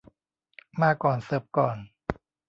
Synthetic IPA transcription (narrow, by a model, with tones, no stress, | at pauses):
maː˥˩kːɔː˨˩nsɤː˨˩p̚kɔː˨˩n